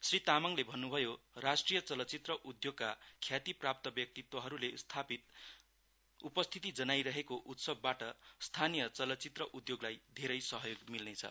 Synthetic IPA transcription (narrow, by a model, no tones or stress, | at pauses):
srit̪amʌŋlebʱʌnːubʱʌjorasʈrijʌt͡sʌlʌt͡sit̪rʌʔud̪joɡkakʰjat̪iprap̚t̪ʌbjʌk̚t̪it̪wʌɦʌɾulest̪ʰapit̪ | upʌst̪ʰit̪id͡zʌnajɾʌɦekoʔut̪sʌbːaʈʌst̪ʰanijʌt͡sʌlʌt͡sit̪rʌʔud̪joɡlajd̪ʱeɾʌjsʌɦʌjoɡmilnet͡sʰʌ̰